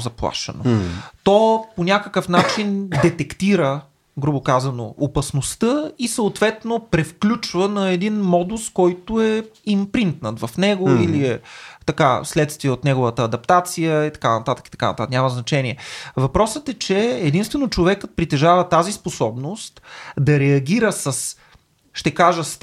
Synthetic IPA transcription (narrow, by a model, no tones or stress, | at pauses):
zɐplˠa̰ʃə̰no̰t̪ɔponʲakəkəfnat͡ʃind̪ɛt̪ɛkt̪iɾə | ɡɾubokazɐno̰opɐsnost̪əisəot̪vɛt̪nopɾɛfklʲut͡ʃvənɐɛd̪inmɔd̪uskɔjt̪ʊɛimpɾint̪nət̪vɐfnɛɡʊiliɛt̪ɐka̰slɛt̪st̪viɛot̪nɛɡovət̪əːd̪ɐp̚t̪at̪sijəit̪ɐ̥kanɐt̪at̪ə̥ki̥t̪ɐ̥kanɐ̰t̪at̪ːknɲʲaməznɐt͡ʃɛniɛvɐpɾɔsət̪ɛt͡ʃɛːd̪inst̪vɛnot͡ʃovɛkət̪̚pɾit̪ɛʒavət̪azisposɔbnost̪d̪ɐɾɛɐɡ̟ʲiɾəsɐs | ʃt̪ɛkaʒəs